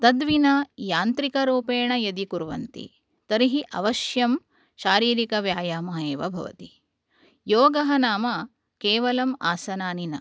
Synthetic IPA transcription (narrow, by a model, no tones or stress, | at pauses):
t̪ɐd̪ʋinɐjaːnt̪ɾikɐɾuːpeːɳɐjɐd̪ikuɾʋɐ̰nt̪ḭ | t̪ɐɾiɦiʔɐ̰ʋɐʃjɐm | ʃaːɾiːɾikɐʋjaːjaːmɐɦeːʋɐ̰bʱɐ̰ʋɐ̰t̪i | joːɡɐɦɐnaːmɐ | keːʋɐlɐmaːsɐnaːninɐ